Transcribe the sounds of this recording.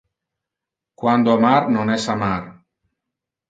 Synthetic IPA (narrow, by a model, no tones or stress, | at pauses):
kwand̪oamaɾnonɛsamar